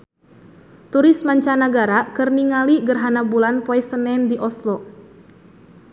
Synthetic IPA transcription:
t̪uɾɪsmaɲt͡ʃanaɡaɾakərniŋaliɡərɦanabulanpɔɛsənɛndiʔɔslɔ

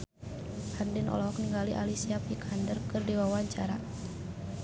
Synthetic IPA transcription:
handɛnʔɔ̰lɔɦɔkniŋɡaliʔa̰lisiapikʰandərkɨrdiwawaɲt͡ʃaɾa

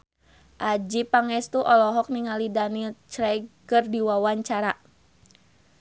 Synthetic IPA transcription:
ʔad͡ʒipaŋɛst̪uʔɔlɔɦɔk̚niŋalidanilt͡ʃɾɛkərdiwawaɲt͡ʃaɾa

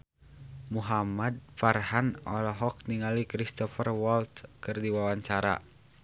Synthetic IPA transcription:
muɦamad̪̚farhanɔlɔɦɔk̚niŋalikɾist̪ɔfərwɔlt̪kɨrdiwawaɲt͡ʃaɾa̰

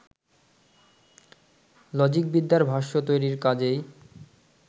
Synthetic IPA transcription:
lɔd͡ʑik̚bid̪ʱːaɾbʱaʃot̪ojɾiɾkad͡ʑej

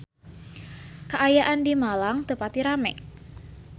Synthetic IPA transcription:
kaʔajaʔandimalaŋt̪əpat̪iɾamɛ̰

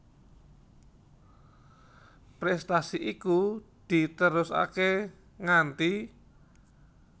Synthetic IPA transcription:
pɾɛst̪asiʔikud̪̥i̤t̪əɾʊsa̰ke | ŋant̪i

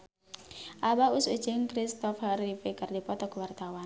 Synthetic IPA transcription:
ʔabausud̥ʒ̥ɪŋkɾist̪ɔfarifekardipɔt̪ɔkuwart̪awan

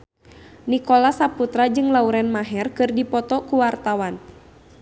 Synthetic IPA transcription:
nikɔlasaput̪ɾad͡ʒɨŋlauɾɛnmaɦɛrkɨrdipɔt̪ɔkuwart̪awan

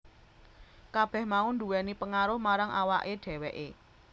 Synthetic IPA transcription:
kab̥ɛ̤hmaʊnd̪uwɛnipəŋaɾʊhmaɾaŋʔawa̰ʔeɖ̥ɛ̤wɛʔḛ

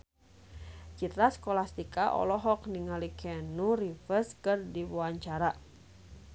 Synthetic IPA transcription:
t͡ʃit̪ɾaskɔlast̪ikaʔɔ̰lɔɦɔkniŋalikʰɛnuɾifəskərdiwuaɲt͡ʃaɾa

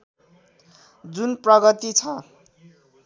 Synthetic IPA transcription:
d͡zunprʌɡʌt̪it͡sʰʌ

